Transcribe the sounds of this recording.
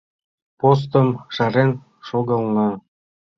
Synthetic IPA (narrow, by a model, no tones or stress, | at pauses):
pos̬t̪ə̆mʃɑɾen | ʃoɣɤ̆lnɑ